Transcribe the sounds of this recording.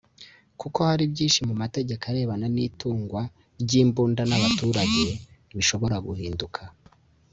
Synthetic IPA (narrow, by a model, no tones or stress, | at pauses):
kuko̞haɾibɟiːnʃimumate̞ɟe̞kaɾe̞ːβananiːtuːŋɡwa | ɾɟiːmbuːndanaβatuɾaɟe̞βiʃo̞βo̞ɾaɡuhiːndukʰa